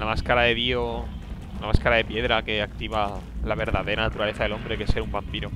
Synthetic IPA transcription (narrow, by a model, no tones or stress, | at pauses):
lamaskaɾaðe̞βio | lamaskaɾaðe̞pje̞ðɾake̞akt̪iβalaβ̞eɾðaðe̞ɾanat̪uɾale̞θaðe̞lõ̞mbɾe̞kese̞ɾumbampiɾo